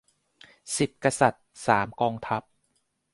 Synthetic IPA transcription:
si˨˩t̪̚ka˧sa˨˩t̪̚saː˩˦mkɔː˧ŋt̪ʰa˦˥p̚

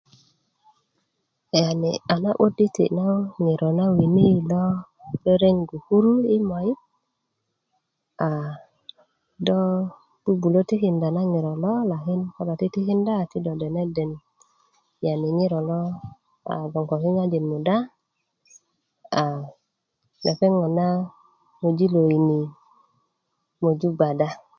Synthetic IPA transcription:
ja˨ni˨a˨na˦ʔo˦di˦t̪ḭ˨na˦ŋi˨ɾʔo˨na˦wi˨ni˦˨lo˦ | le˦ɾe˦ŋɡu˨hu˦ɾu˦i˦ma˨ji˦ | a˨ | dɔ˦ | b̥u˦bu˨lo˦ti˦ki˨nda˨na˦ŋi˨ɾo˨lo˦la˨ɦi˦nka˦ba˨ti˦ti˦ki˦nda˦˨ti˦do˨de˨ne˦de˨n | ja˨ni˨ŋi˦ɾo˨lo˦ | a̰˨ɡo˨ŋko˨ki˦ŋa˦d͡ʒi˨nmu˨da˦ | a˨ | nʔa˨pe˦ŋɔ˨na˦ | mo˨d͡ʒi˦lo˨i˨ni˨ | mo˨d͡ʒu˦ɡ͡ba˨da˦

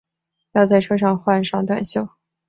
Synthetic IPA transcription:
jɑ˥˧ʊt͡sa˥˩ɪʈ͡ʂʰɤ˥ʂ̬ɑ˥˧ŋxwa˥˧nʂɑ˥˧ŋt̪wa̰˨˩nɕjo˥˩ʊ

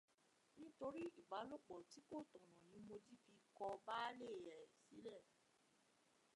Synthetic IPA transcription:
nĩ˦to˧ɾi˦i˦˨ba˨˦lo˦˨k͡pɔ˨ti˨˦ko˦˨tɔ̃˨ñɔ̃˨nĩ˨˦mo˧di˦fi˧kɔ˧ba˦le˦˨jɛ˨si˨˦lɛ˦˨

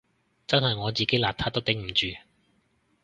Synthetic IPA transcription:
t͡sɐ˥nɦɐ˨jŋɔː˨˧t͡siː˨ke˨˥jlaː˨t̪ʰaː˥t̪o˥wt̪ɪ˨˥ŋm̩˨˩t͡ʃyː˨

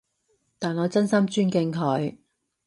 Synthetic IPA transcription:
t̪aː˨nɔː˨˧t͡sɐ˥nsɐ˥mt͡ʃyː˥nkɪ˧ŋkʰɔ˨˧ɥ

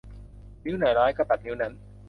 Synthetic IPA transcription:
ni˦˥wna˨˩jɾaː˦˥jkɔ˥˩t̪a˨˩t̪̚ni˦˥wna˦˥n

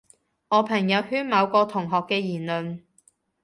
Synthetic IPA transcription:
ŋɔː˨˧pʰɐ˨˩ŋjɐ˨˧whyː˥nmɐ˨˧wkɔː˧t̪ʰʊ˨˩ŋɦɔː˨kːɛː˧jiː˨˩nlɵ˨n

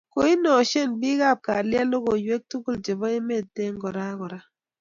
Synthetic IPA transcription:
ko˨i˦nɔ˨ʃe˦˨nbi˦ɡa˦˨b̚ka˨lja˦lo˦ɡo˨jwe˦k̚tu˦ku˦ld͡ʒe˨bɔ˦e˦me˦˨de˦ŋɡɔ˨ɾa˦ɡɔ˨ɾa˦

